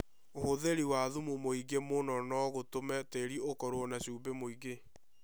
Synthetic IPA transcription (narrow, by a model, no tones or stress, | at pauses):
ohoðeɾiwaðumumoiɡemonɔnɔɣotomɛteɾiokɔɾoɔnaɕuːbemoiɡe